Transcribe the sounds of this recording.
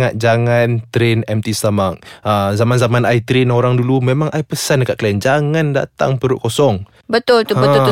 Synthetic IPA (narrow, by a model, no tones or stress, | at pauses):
ŋat̪̚d͡ʒaŋant̪ɾenɛmt̪ist̪amak̚əzamanzamanait̪ɾenoɾaŋdulumemaŋaipəsandəkaʔ̪̚klajand͡ʒaŋanda̰t̪a̰ŋpəɾʊʔkosɔŋ | bət̪ʊlt̪uəbə